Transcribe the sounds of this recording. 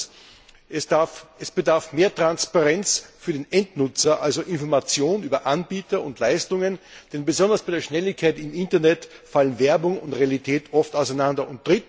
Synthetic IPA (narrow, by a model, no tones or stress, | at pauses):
ɛsb̥ədaɐfmeːɐtʁ̥anspaʁɛnt͡sfyːɐdeːnɛntnʊt͡sɐʔalzoʔɪnfɔɐmat͡sjoːnyːbɐʔanbiːtɐʊntlaɪstʊŋənd̥ɛnbəzɔndɐsb̥aɪdeːɐʃnɛlɪçkʰːaɪtɪmɪntɐnɛtfalənvɛɐbʊŋʊntʁealitʰɛːtʰʔɔftaʊsæɪnandɐʊnt̚d̥ʁɪt